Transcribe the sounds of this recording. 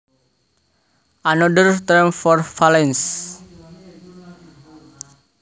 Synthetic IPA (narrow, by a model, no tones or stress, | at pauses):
ʔanɔdərt̪ərmfɔrfalɛns